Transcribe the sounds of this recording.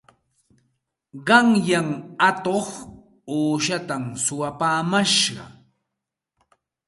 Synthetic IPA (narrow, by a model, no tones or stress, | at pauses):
ɢɑŋjaŋat̪oχ | oːʃat̪amsʊwapaːmaʃɢɑ̰